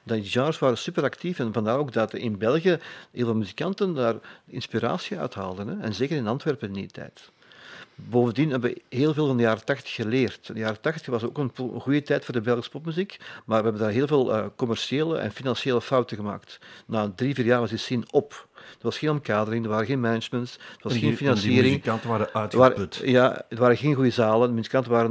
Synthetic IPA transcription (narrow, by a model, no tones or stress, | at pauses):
dɑiʒɑːrsʋaːɾəsypəɾɑktifɛnvɑndaːɾoːɡ̚dɑtɪnbɛlˠɣjəɦeːlˠvɑlˠmyzikɑntəndaːrɪ̰nspiɾa̰ːsiœ̰ɥtɦa̰ːlˠdənɛɛnzeːkəɾɪnɑntʋɛrpəndḭtɛ̰ːt | boːvəndinɦɛbəʋəɦeːlˠveːlˠvɑndəjaːɾətɑxtə̥xəleːrtdəjaːɾətɑxtəxʋɑzo̰ːkənɣujətɛːtfoːrdəbɛlˠxəsə̥pɔpmyzikmaːrʋəɛbəndaːrɦeːlˠveːlˠəkɔmɛrʃieːlə̰ʔɛ̰nfinɑnseːləfɑwtəɣəma̰ːktnaːdriːviːrjaːrʋɑzdisɪnɔpd̥ərʋɑsxeːnɔmkaːdəɾɪŋdərʋaːɾənɣeːnmɛnəd͡ʒməntsdərʋɑsxeːnfinɑnsiːɾɪŋŋkɑntəʋaːɾəœtaːɾətjadəʋaːɾəɣeːnɣujəzaːləndəmyzikɑntənʋaːɾən